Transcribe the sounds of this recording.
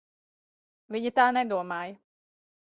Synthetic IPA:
ʋiɲit̪aːnɛd̪uɔmaj

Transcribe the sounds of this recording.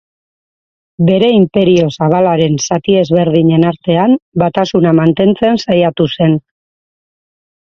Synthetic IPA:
be̞ɾe̞impe̞ɾio̞saβ̞alaɾe̞nsat̪ie̞zβe̞ɾðiɲe̞naɾt̪e̞ambat̪asunamant̪e̞nt͡se̞nsajat̪use̞n

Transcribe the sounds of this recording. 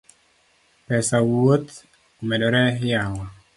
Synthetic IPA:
pɛsawot̪ | omedɔɾɛjawa

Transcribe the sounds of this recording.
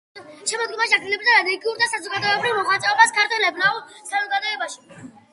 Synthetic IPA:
ʃɛmɔd̪ɡɔmaʃiadɡ̪lilɛbɾid̪aɾad̪ɛɡiuɾd̪asazɔɡad̪ɔɛbɾivmɔχat̪sʼɛɔbaskʰaɾt̪ʰwɛlɛbnaɔsazɔɡad̪ɔɛbaʃi̥

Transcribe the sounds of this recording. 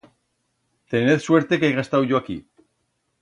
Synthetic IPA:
t̪e̞neθswe̞ɾt̪e̞keajɣaest̪awʝoaki

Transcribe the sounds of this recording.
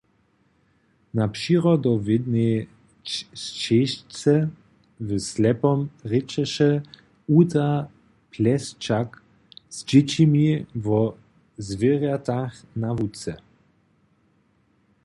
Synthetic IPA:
napʃiʁɔd̪ɔvɪd̪ne | st͡ʃeʃt͡sɛ | vəslɛpɔmʁɛt͡ʃɛʃɛ | ut̪a | pʰlɛst͡ʃak | z̥d͡ʒɪt͡ɕimivɔ | zvɪʁjat̪axnavut͡sɛ

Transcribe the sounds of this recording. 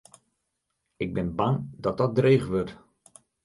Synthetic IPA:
ɪɡ̚bɪnbaŋdɔt̚dɔt̚dreːχʋørt

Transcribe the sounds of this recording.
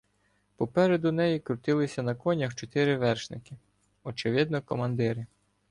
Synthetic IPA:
pɔpɛɾed̪ʊnɛjikɾʊt̪ɪlˠɪsʲɐnɐkɔnʲɐxt͡ʃɔt̪ɪɾɪʋɛrʃnɪkɪ | ɔt͡ʃɪʋɪd̪̚nɔkɔmɐnd̪ɪɾɪ

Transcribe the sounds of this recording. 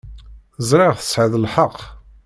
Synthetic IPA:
əzˤɾˤɪʁθə̥sʕəðəlħəqː

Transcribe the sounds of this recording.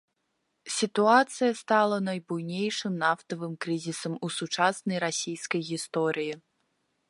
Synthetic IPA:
sʲit̪uat̪sɨjɐst̪alˠɐnɐjbujnʲejʂɨmnaft̪ɐvɨmkɾɨzʲisɐmusut͡ʂasnɐjɾasʲijskɐjɣʲist̪ɔɾɨji

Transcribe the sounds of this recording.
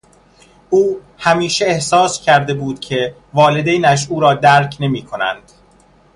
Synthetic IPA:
ʔuː | hæmiːʃeehsɒːscʰæɾd̪e̞buːd̪̥cʲʰe̞ | vɒːle̞d̪ejnæʃ̬uːɾɒːd̪æːɾcʰne̞miːkʰo̞næ̰nd̪̥

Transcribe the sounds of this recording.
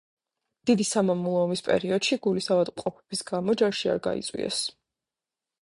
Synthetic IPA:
d̪̥id̪isamamulˠɔːmispʼɛ̰ɾiɔd̪̥ʃiɡulisavad̪mqʼɔpʰɛb̥isɡamɔd͡ʒaʃia̰ɾɡa̰ḭt̪sʼwḭɛ̰s

